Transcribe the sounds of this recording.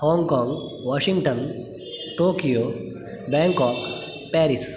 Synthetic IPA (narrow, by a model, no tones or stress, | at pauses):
hɔ̃ːŋɡkɔːŋɡʋɔːʃiŋɡʈən | ʈoːkijo | bɛ̃ŋkɔːk | pɛːɾis